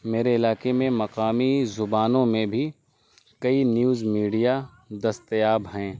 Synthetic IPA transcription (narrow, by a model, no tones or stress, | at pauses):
meːɾeɪlaːkemẽmɐqaːmizʊbaːnõmẽbʱi | kɐinjuːzmiːɖija | d̪ɐst̪jaːbɦɛ̃ː